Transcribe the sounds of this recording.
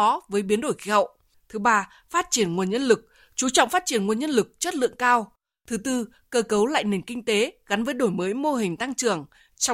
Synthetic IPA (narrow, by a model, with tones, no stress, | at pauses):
ɔ˨˦vəː˨˦jɓi˨˦ənɗo˧˩jxi˨˦ɦə̰˧˨wʔ | t̪ʰɨ˨˦ɓaː˧ | faː˦˥t̚t͡ɕi˧˩ənŋu˨˩ənɲə˧nlɨ˨˩k̚ | t͡ɕu˨˦t͡ɕɔ̰˧˨wŋ͡mfaː˦˥t̚t͡ɕi˧˩ənŋu˨˩ənɲə˧nlɨ˨˩k̚t͡ɕə˦˥t̚lɨ̰˧əŋkaː˧w | t̪ʰɨ˨˦t̪ɨ˧ | kəː˧kə˨˦wla̰ː˧˨jne˨˩nkï˧ŋ̟t̪e˨˦ɣa˨˦nvəː˨˦jɗo˧˩jməː˨˦jmo˧ɦï˨˩ŋ̟t̪a˧ŋt͡ɕɨ˨˩əŋ | t͡ɕ